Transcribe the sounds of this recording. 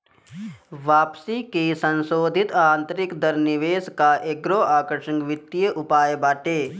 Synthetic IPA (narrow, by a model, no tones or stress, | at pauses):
ʋaːpsikesə̃nsoːd̪ʱɪt̪aːnt̪əɾɪkd̪əɾnɪʋeːskaʔeɡɾoaːkəɾʃə̃ŋɡʋɪt̪ːijəʔʊpaːjbaːʈeː